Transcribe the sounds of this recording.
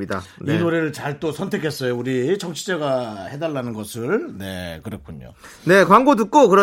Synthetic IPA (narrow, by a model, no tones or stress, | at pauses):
idainoɾeɾɯɭt͡ɕaɭt͈osʰʌntʰe̞kʰe̞s͈ʌjouɾit͡ɕʌŋt͡ɕʰi̥d͡ʑeɡahe̞daɭːanɯnɡʌsʰɯɭne̞̰kɯɾʌkʰuɲo̰ne̞kwaŋɡot̬ɯk͈okɯɾʌ